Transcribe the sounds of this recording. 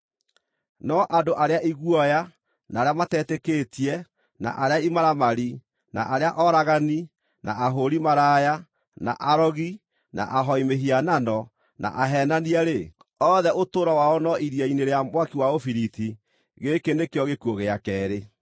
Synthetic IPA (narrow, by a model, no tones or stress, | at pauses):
nɔʔadoʔaɾeaʔiɣwɔja | naːɾeamatɛtekeːtiɛ | na̰ʔaɾeaimaɾamaɾi | na̰ʔaɾeaʔɔɾaɣani | na̰ʔaɦoɾimaɾaja | na̰ʔaɾɔɣi | nʔa̰ʔaɦɔimeɦiananɔ | na̰ʔaɦɛnaniaɾe | ɔðɛotoɾɔwaɔnɔʔiɾjaineɾeamwakiwaofiɾiti | ɣekendekeɔɣekuɔɣeakɛːɾe